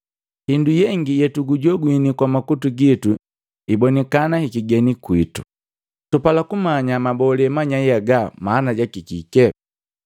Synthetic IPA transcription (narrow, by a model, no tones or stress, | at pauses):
hindujɛŋɡijɛtuɡuɟɔɡwinikwamakutuɡitu | ibɔnɛkanahikiɡɛnikwitu | tupalakumaɲamabɔlɛmaɲajaɡamaːnaɟakikikɛ